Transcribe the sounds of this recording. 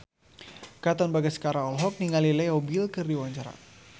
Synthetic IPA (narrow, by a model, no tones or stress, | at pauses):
kat̪ɔnbaɡasə̥kaɾaɔlɦɔk̚niŋalilɛjɔbilkərdiwaɲt͡ʃaɾa̰